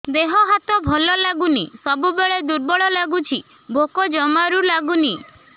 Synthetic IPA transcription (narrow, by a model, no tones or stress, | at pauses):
d̪eɦɔɦat̪ɔbʱɔlɔlaɡunisɔbubeɭed̪uɾbɔɭɔlaɡut͡ʃʰi | bʱokɔd͡ʒɔmaɾulaɡuni